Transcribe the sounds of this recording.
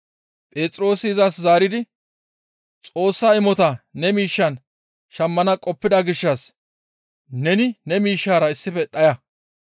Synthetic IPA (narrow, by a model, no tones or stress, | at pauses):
pʼeːt͡sʼɾo̞ːsɪɪzɐszaːɾɪd̪ɪ | t͡sʼo̞ːsːɐɪmɔt̪ɐnɛmiːʃːɐn | ʃɐmːɐnɐkʼɔpːɪd̪ɐɡɪʃːɐs | nɛnɪnɛmiːʃːaːɾɐɪsːɪfɛɗɐjɐ